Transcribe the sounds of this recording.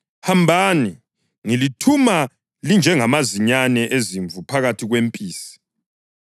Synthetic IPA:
hambʱaːni | ŋilitʰuma | lind͡ʒʱɛŋamaziɲanɛʔeziɱvʱupʰaɣatʰiɣwempʼiːsi̥

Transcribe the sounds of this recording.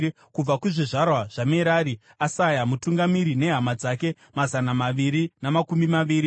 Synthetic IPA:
kub͡vakuʐiʐarwaʐ̥ameɾaɾi | asajamutuŋɡamiɾine̞ɦamad͡zake̞ | mazanamaʋiɾinamakumbimaʋiːɾi

